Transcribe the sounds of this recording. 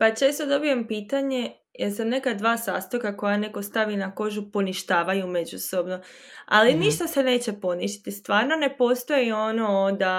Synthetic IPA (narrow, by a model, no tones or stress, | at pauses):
pat͡ʃe̞ːst̪o̞d̪o̞bije̞mpiːt̪aɲe̞ | jeɾsane̞kad̪ʋaːsa̰ːst̪okako̞jane̞ko̞st̪aʋinako̞ʒupo̞niʃt̪aːʋajume̞d͡ʑuso̞bno̞a̰liniʃt̪ase̞ne̞ːt͡ɕe̞po̞niʃt̪i̥t̪ist̪ʋaːɾno̞ne̞po̞st̪o̞jio̞nood̪a